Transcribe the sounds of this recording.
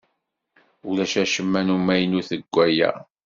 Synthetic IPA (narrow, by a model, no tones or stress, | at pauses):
ulæʃæʃəmːænumæjnuθəɡʷːæjæ̰